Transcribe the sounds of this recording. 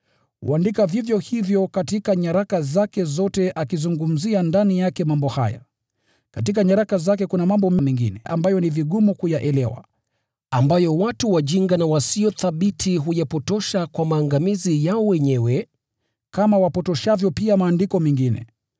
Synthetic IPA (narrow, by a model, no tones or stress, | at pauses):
hṵandikavivjɔhivjɔkatikaɲaɾakazakɛzɔtɛʔakizuŋɡum̩ziandanijakɛmambɔha̰ja̰ | katikaɲaɾakazakɛkunamambɔmɛmɛŋɡinɛʔa̰mbajɔniviɠumukujaʔɛlɛwa̰ | ambajɔwatuwaʄiŋɡanawasiɔθaɓitʰiɦujapɔtɔʃakwamaːŋɡamizijaɔwɛɲɛwɛ | kamawapɔtɔʃavjɔpiamaːndikɔmɛŋɡinɛ̰